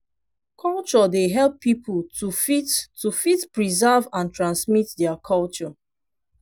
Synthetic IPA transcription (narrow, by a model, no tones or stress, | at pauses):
kʰɔlˠt͡ʃɔdeɦɛlˠpːipultufittufitpɹizɛvãntɹãnsmitdɛakʰɔlt͡ʃɔ